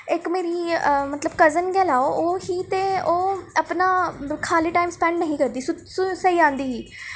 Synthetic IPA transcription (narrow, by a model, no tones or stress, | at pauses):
ɪkmeːɾiːmət̪ləbkəɾzənɡɛːlaːoʔoːɦiːt̪eːoːapnaːkʰaːliːʈaːɪmspɛ̃ːɳɖnəɦĩːkəɾd̪iːsʊt̪ssəiːãːnd̪iːɦiː